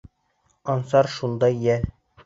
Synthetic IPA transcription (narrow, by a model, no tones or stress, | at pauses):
ɒnsɑɾʃund̪ɑjjæl